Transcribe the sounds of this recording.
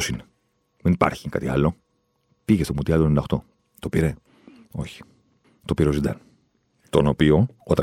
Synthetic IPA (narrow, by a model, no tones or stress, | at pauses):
sine | menipɐ̰ɾçikɐt̪iɐlo̞ | piʝst̪omut̪iɐlt̪onɐoxt̪o̞ | t̪opiɾe | o̞çi̥ | t̪opiɾeo̞zind̪ɐ̰n | t̪o̞nopioot̪ɐ